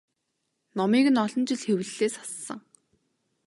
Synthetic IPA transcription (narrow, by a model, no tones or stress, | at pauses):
nɔmiːɣɘ̆nɔɮɞ̆nt͡ɕɪ̆ɮxewɘ̆ɮːeːsɔ̥sːə̰̆ŋ